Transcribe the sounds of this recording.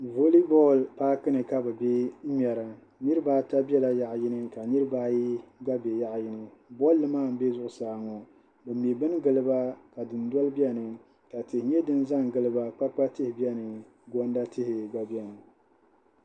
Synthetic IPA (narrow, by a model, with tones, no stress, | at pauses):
vo˦li˦bɔ˦˨lpaː˦kɨ˦nɨ˨ka˦bɛ˨be˦mi˨ɛ˨ɾa˨ | nɨ˦ɾɨ˦baː˦ta˦bɛ˦la˦ja˨ʔjɪ˦nɨ˦ka˨nɨ˦ɾɨ˦ba˦ji˦ɡa˦be˨ja˦ʔjɪ˦nɨ˦bɔ˦lːɨ˦maː˦˨m̩˦be˦zʊ˦ʔʊ˨saː˨ŋɔ˨ | bɛ˨m˨e˨bɨ˦n˦ɡɨ˨lɨ˦ba˦ka˨dɨ˨n˦dɔ˦lɨ˦bɛ˦nɨ˨ | ka˨tɪ˨hɪ˨ɲɛ˦dɨ˦nza˦ŋ˨ɡɨ˦lɨ˦ba˦k͡pa˦k͡pa˦tɨ˦hɪ˨bɛ˦nɨ˨ | ɡɔ˦nda˦tʰɪ˦hɪ˨ɡa˨bɛ˦nɨ˨